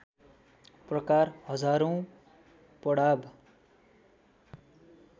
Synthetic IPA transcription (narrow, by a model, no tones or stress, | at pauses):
prʌkarhʌd͡zaɾõ | pʌɽab